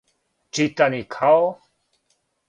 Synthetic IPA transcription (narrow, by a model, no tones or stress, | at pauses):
t͡ʃit̪anikʰawo